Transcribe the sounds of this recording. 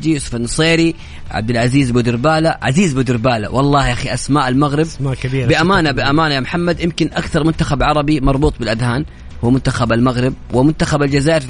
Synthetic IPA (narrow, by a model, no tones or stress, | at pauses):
d͡ʒ̪ijuːsʊ̥fanːɑsˤeːɾi | ʕa̰b̚d̪ɪlʕaziːzbʊd̪ɪɾbaːlaʕa̰ziːzbʊd̪ɪɾbaːla̰wɑlˤːɑːhʔaxiʔasmaːʔalmaɣɾɪbmakabiːɾbɪʔamaːnabɪʔamaːnajaːmħamːad̪jɪmkɪnʔakθɑɾˤmʊnt̪axabʕɑɾˤɑbimɑɾˤbuːt̪ˤbɪlʔad̪haːn | huːmʊnt̪axabalmaɣɾɪb̚wɪmʊnt̪axabald͡ʒazaːʔɪɾ